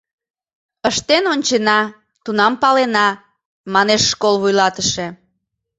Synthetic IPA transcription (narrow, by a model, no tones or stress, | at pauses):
əʃt̪enonʲt͡ɕenɑ | t̪unɑmpɑlenɑ | mɑneʃːkolβujlɑt̪əʃe